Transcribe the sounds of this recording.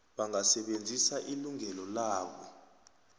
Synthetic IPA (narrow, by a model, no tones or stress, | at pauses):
ɓaŋasɛɓend͡zʱisaʔiluŋɛlɔlaːɓɔ